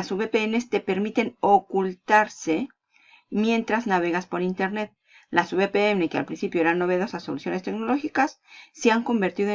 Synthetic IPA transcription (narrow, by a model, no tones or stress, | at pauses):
asuβepeene̞st̪e̞pe̞ɾmit̪e̞no̞kult̪aɾse̞ | mje̞nt̪ɾaznaβe̞ɣaspo̞ɾint̪e̞ɾne̞t̪̚ | lasuβepeene̞kea̰lpɾinsipjoeɾano̞βe̞ðo̞saso̞lusjo̞nest̪e̞kno̞lo̞xikasː | e̞aŋko̞mbe̞ɾt̪iðo